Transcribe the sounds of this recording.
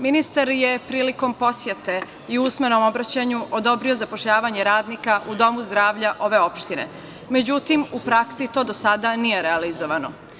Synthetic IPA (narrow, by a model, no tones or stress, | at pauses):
minist̪aɾjepɾiːliko̞mpo̞sjet̪e | iusme̞no̞mo̞bɾat͡ɕaɲuʔod̪o̞bɾio̞zapoʃʎaːʋaɲe̞ɾaːd̪nikaʔud̪o̞muzd̪ɾaːʋʎaʔo̞ʋe̞o̞pʃt̪inḛ | me̞d͡ʑut̪imupɾaksit̪o̞ːd̪osad̪anijeɾealizoʋano